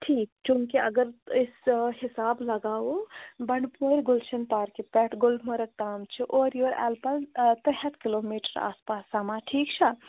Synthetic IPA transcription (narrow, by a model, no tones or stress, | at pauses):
ʈʰiːkt͡ʃũːŋkiɐ̰ɡəɾɪsɦɪsaːblɐɡaːobɐɳpoːɾɡʊlʃɐnp̪aːɾkepɛʈɡʊlmɐɾək̚t̪aːmt͡ʃʰiʔoːɾjoːɾɛ̰ːlpɐlt̪ɛɦɐt̪kɪloːmiːʈəɾa̰ːspaːsːamãʈʰiːkt͡ʃʰə